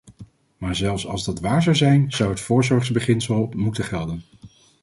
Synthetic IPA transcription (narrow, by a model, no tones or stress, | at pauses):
maːɹzɛlˠfsɑ̰lˠzdɑtʋaːɹzɑwzɛjnzɑwɦətfʊːɹzɔɹχzbəχɪnsəlˠmutəχɛlˠdən